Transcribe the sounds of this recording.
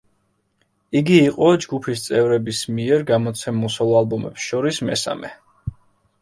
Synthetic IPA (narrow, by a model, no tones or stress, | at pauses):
iɡiːqʼɔd͡ʒɡupʰist̪sʼɛvɾɛbismiɛɾɡamɔt̪sʰɛmusɔlˠɔalˠbɔmɛpsʃɔɾismɛ̰sa̰mɛ